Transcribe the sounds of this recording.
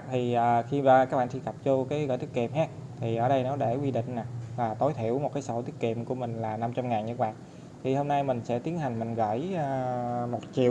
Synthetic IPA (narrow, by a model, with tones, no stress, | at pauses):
t̪ʰi˨˩ʔəː˨˩xi˧aː˨˩ka˦k̚ɓa̰ː˧˨nt͡ɕi˧kə˨˩p̚t͡ɕo˧kaː˨˦jɣə̰ː˧˨jt̪ʰi˦˥ki˨˩mhaː˦˥t̪ʰi˨˩ʔəː˧˩ɗə˧jnɔ˨˦ɗe˧˩kwi˧ɗḭ̈˧˨ŋ̟na˨˩vaː˨˩t̪o˨˦jt̪ʰi˧˩˨əwmo˨˩t̚kaː˨˦so˧˦t̪i˦˥əki˧˩əmku˧˩əmï˨˩ŋ̟laː˨˩na˧mt͡ɕa˧mŋaː˨˩nɲɨ̰˧˥k̚ɓaː˨n | t̪ʰi˨˩ho˧mna˧jmï˨˩ŋ̟sɛ̰˧˥t̪i˨˦ənha˨˩jŋ̟mï˨˩ŋ̟ɣə̰ː˧˨jːmo˨˩t̚t͡ɕḭ˧˨əw